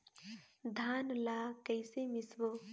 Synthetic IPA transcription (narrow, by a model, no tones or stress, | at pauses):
d̪ʱaːnlaːkəɪsemɪswoː